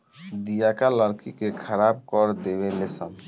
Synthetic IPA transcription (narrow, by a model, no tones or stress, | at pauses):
d̪ijakaləɾkikekʰəɾab̚kɔɾd̪ebelesam